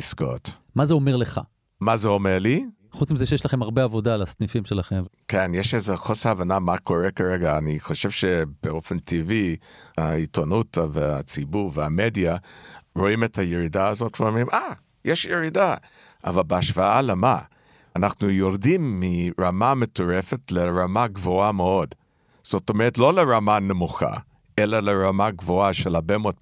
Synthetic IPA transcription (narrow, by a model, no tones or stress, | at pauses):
isko̰t | mazeome̞ʁleχa̰ | mazeomeʁli | χut͡smizeʃejeʃlaχemaʁbeavo̞dalasnifimʃelaχemkenjeʃezeχosaavanamakʰoʁekaʁeɡaːniχo̞ʃevʃeb̥eofentʰiviaitonutvea̰t͡sibuʁveamedjaɹo̞imethajeɾidaːzotveomimʔa | jeʃjeɾida | ʔa̰valbeaʃvaalema | anaχnujoɾdimːiɹamametoʁefetleɹamaɡvoameo̞d | z̥otomeʁetlo̞leɹamanemuχa̰ | ʔelaleɹamaɡvoaʃelabemot